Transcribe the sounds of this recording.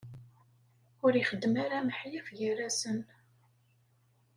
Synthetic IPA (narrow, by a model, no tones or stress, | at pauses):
ʊɾiχəd̪ːmaɾaməħjəfʝəræsən